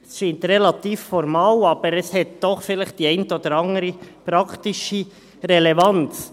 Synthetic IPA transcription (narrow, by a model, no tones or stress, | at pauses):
sʃiːnt̪ɾelɑt̪iːffɔɾmɑːlɑːb̥əɾɛshɛt̚d̪̥ɔχfɪlɪχt̚d̥iːɛɪntəoːd̥̪əɾɑŋəɾəpɾɑkt̪ɪʃə | ɾelevɑnt͡s